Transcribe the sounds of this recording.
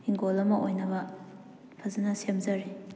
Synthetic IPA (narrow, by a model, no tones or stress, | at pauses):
iŋɡolɐmɐʔojnɐbɐ | pʰɐzɐnɐsemzɐɾi